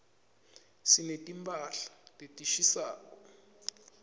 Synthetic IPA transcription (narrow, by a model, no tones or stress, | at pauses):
sinetʼimpʰʼaɬḁtʼetʼiʃisa̰ːkɔ